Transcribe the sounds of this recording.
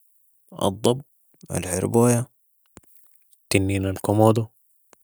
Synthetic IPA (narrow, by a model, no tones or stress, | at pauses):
ʔɑ̰d̪ˤːɑb̚ | ʔa̰lħɪ̰ɾboːja | t̪inːiːnalkomoːd̪o